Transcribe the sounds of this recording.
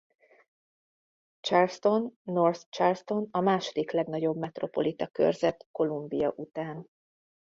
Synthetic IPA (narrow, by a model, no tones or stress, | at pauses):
t͡ʃɛlst̪o̞nːorst͡ʃɛlst̪o̞nɒmaːʃo̞d̪iklɛɡnɒɟo̞bmɛt̪ro̞po̞lit̪ɒkø̰rzɛt̪ko̞lumbijɒʔut̪aːn